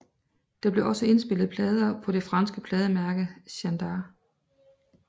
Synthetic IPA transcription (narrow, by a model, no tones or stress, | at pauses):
d̥ɑ̈b̥le̝ʔɒ̽səe̝nsb̥e̝l̰ð̩ˠpʰlɛːð̞ˠɐpʰɒ̽d̥e̝fʁɑ̈nsɡ̥əpʰlɛːðˠəmæɐɡ̥əɕænd̥ɑː